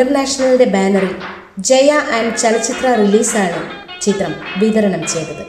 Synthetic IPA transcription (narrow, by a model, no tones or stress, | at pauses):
ɐrnaːʂɐnɐlɖe̞baːnɐri | d͡ʑejɐʔɐɳɖt͡ɕɐlɐt͡ɕːit̪rɐriliːsaːɳɨ | t͡ɕit̪rɐmʋid̪ɐɾɐɳɐmt͡ɕe̞jnːɐðɨ